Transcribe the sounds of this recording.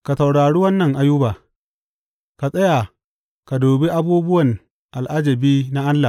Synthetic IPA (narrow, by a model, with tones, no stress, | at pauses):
ka˨sa˨wɽaː˨ɽi˦wɐ˦nːɐ˨ŋʔa˦ju˦baː˨ | ka˨sʼɐ˦ja˨ | ka˨doː˨be˦ʔa˦buː˦bʊ˦wɐ˨n | ʔa˨lʔa˦d͡ʒɐ˨biː˦na˦ʔa˦nːa˨